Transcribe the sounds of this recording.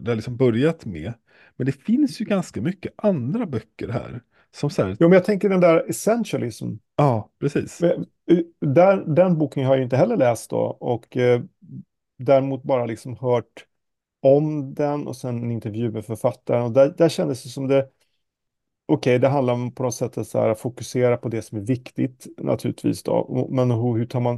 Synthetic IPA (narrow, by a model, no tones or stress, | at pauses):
d̪ɛhalɪksɔmbœɾjat̪mɛ̰ | mɛnd̪ɛfɪnsjɵɡanskamʏkːəʔand̪ɾabœkːəɾɦæ̰ːɾ | sɔmsæ̰ːɾjuːmɛnjɑt̪ʰɛŋkəɖɛnd̪æɾɛsɛnʃəlɪsm | ɑːpʰɾɛsḭːsmɛ | d̪æɾɖ̪ɛnbuːkənɦaɾjɪnt̪əɦɛlːəɭɛːst̪̚d̪ɔ̰ɔk | d̪æɾmuːt̪̚bɑːɾalɪksɔmhœːʈ | ɔmd̪ɛnɔ̰sɛnɛnɪnt̪ɛɾvjʉ̟ːmɛfœɾfat̪ːaɾənɔd̪æd̪æɕɛnd̪əsjɵsɔmd̪ɛ | ʔɔkʰɛjd̪ɛɦand̪laɾpʰɔnɔt̪sɛt̪ʰːat̪sæ̰ːɾafʊkɵseːɾapʰɔd̪ɛsɔmæɾvɪkt̪ɪt̪nʔa̰t̪ʰʉ̟ːlɪt̪vḭːsd̪ɔ̰ɔ̰mɛnɦhɵʈʰɑːɾman